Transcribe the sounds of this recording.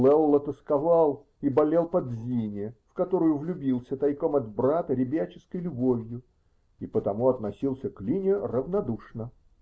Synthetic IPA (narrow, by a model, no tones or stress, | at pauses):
lˠɛlˠɐt̪əskɐvalˠ | ibɐlʲe̞lˠpɐd̪zʲinʲɪɪfkɐt̪o̞ɾʊjʊvlʲʊbʲilˠsʲət̪ɐjko̞mɐd̪bɾat̪əɾʲɪbʲat͡ɕɪskəjlʲʊbovʲjʊ | ipət̪ɐmuɐt̪nɐsʲilˠsʲəklʲinʲɪrəvnɐd̪uʂnə